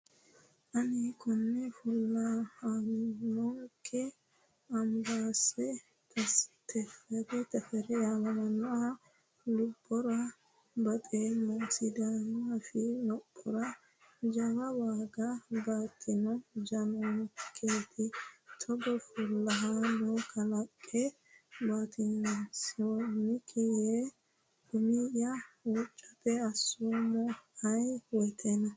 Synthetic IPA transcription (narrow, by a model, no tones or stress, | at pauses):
ʔɐnikʰʊnːɛfʊlːɐannɔŋkʰːɛ | ɐmbaːsɛ | t̪ʰɐst̪ʰɛfɛɾɛt̪ɐfɛɾɛjamɐmɐnɔa | lʊbːɔɾɐ | bɐt̪ʼeːmɐnsɪd̪anɔafɪlɔpʼːɔɾɐ | d͡ʒɐwɐwaːɡɐbaːt̪ːɪnɔd͡ʒɐnɔnkʰeːt̪ʰɪt̪ʰɔɡɔfʊlːɐɦanɔkʰɐlɐkʼːɛ | baːt̪ʰɪnɐsɪwɔnːɪkʰɛje | ɡ̥ʊmijɐuːt͡ʃʼːɐ̥pɛɐsːumɔɐjwɔt̪ʰɛnɐ